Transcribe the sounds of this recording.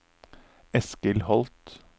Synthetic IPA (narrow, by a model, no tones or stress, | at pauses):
ɛskəlhɔlt̪